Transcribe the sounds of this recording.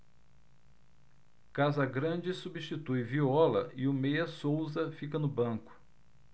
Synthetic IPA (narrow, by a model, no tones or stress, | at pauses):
kazɐɡɾɐ̃d͡ʒɪsubiʃt͡ʃit̪ujviɔlɐ̰ʔɪʊmejɐsowzɐfikɐnʊbɐ̃kʊ̥